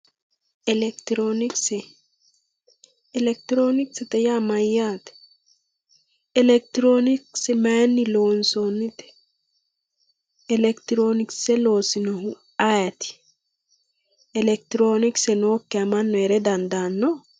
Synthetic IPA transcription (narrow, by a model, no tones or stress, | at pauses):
ɛlɛkt̪ɾonɪksɛ | ɛlɛk̚t̪ɾonɪksɛt̪ɛjamɐjːaːt̪ɛ̥ | ɛlɛk̚t̪ɾonɪksɛmanːɪloːnsonːɪt̪ɛ̥ | ɛlɛkt̪ɾonɪksɛloːsɪnɔhʊ | ajɐt̪ɪ̥ | ɛlɛk̚t̪ɪɾoːnɪksɛnoːkːɛɐmɐnːɔɛɾɛd̪ɐnd̪aːnːɔ